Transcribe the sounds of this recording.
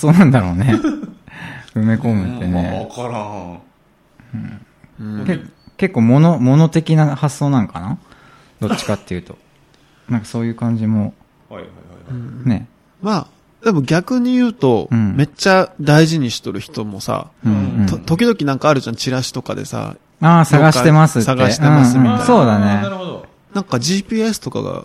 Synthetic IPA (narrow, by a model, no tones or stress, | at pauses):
asːoːnãnd̪aɾo̞ːne | ɯ̟me̞ko̞mɯ̟t̪ːe̞nḛkɾ | ɯ̃ | ɯ̃keke̞kːo̞ːmonomo̞no̞t̪e̞kʲinahasːo̞ːnãŋkana | d̪̥o̞t͡ɕːi̥kat̪ːe̞jɯ̟ːt̪o̞ | nãŋkaso̞ːjɯ̟ːkãɲ̟d͡ʑimo̞ | ɯ̟̃ne̞ | maː | d̪e̞mo̞ɡʲakɯ̟ɲ̟ijɯ̟ːt̪o̞ɯ̃me̞t͡ɕad̪aiʑiɲ̟iɕi̥t̪o̞ɾɯ̟çi̥t̪o̞mo̞sa̰ot̪o̞k̬ʲid̪o̞kʲinãŋkaːɾɯ̟ʑãɲt͡ɕiɾaɕi̥t̪o̞ka̰d̪e̞̰sa̰ | aːsãɡaɕkit̪emasɨsaɡ̪aɕei̥t̪eɯ̃masɨɯ̃so̞ːd̪aneɾoo | nãŋkaʑiːpʲiːe̞sɨ̥t̪o̞ka̰ɡa̰